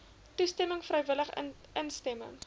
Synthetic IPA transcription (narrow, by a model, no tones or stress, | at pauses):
tustɛməŋfrɛjvələχ | ənstɛmə̰ŋ